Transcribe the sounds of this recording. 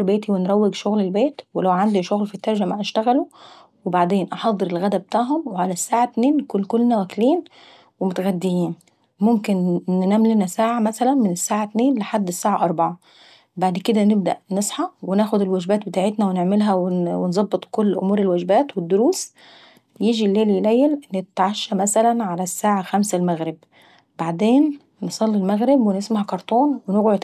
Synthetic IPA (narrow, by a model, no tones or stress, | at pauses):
ɾbeːt̪iwenɾˤæwːeɡʃoɣlelbeːt̪welæwʕand̪iʃoɣlfit̪ːɑɾˤʒæmæʔæʃt̪æɣælo | webaʕd̪eːnʔɑħɑd̪ˤːɨɾelɣæd̪æbet̪aːʕɦomweʕalæsːaːʕat̪neːnːkunːkolːnæwækliːn | wemot̪ɣæd̪ːejiːn | momkenːnæːmlenæsaːʕamæsælænmenesːaːʕat̪neːnleħad̪ːesːaːʕaʔɑɾˤbɑʕɑ | baʕd̪ked̪ænɪb̚d̪æ̰ʔnesˤħɑwenæːxʊd̪ɪlwæd͡ʒbæːt̪̚bet̪aːʕet̪næweneʕmelɦæwewenzˤɑbːɨt̪ˤkolːʔʊ̰muːɾelwæd͡ʒbæːt̪wed̪ːʊɾuːs | jiːd͡ʒilːeːljlæjːælnːt̪ʕaʃːæmæsælænʕalæsːaːʕaxæmsælmæɣɾɪb̚ | baʕd̪eːnː | esˤɑlːilmæɣɾɪbwenesmahækɑɾˤt̪ˤuːnwenoɣʕod̪